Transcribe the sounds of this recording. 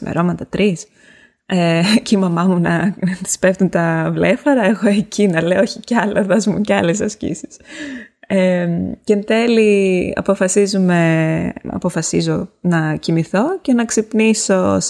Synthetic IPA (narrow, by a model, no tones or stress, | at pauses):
mḛɾo̞mɐt̪ɐt̪ɾis | eceimɐmɐmunɐnɐti̥spe̞ft̪unt̪ɐvle̞fɐɾɐeɣo̞ecʰinɐleooçiceɐlɐðɐzmṵceɐlesɐscḭsi̥s | emcenθe̞liɐ̰po̞fɐsizume̞ɐ̰po̞fɐsizo̞nɐcimiθo̞ce̞nɐksipniso̞s